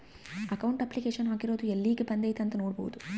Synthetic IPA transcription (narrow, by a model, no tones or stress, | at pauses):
ɐkɐwɳʈɐpːlikeːʂɐnɦaːkiɾoːd̪uelːiːkipɐnd̪ejt̪ɐnt̪ɐnoːɽboːd̪u